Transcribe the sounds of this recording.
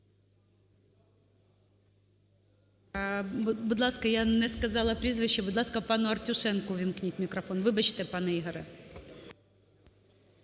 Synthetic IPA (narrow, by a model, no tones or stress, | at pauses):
bʊd̪lˠaskɐjanɛskɐzɑlˠɐpɾʲizvɨɕːɛbʊd̪lˠaskɐpanʊɐrtʲʊʂɛnkʊvʲɪmknʲitʲmʲɪkɾɐfo̞nvɨbɐt͡ɕt̪ɛpanɨiɣɐɾɨ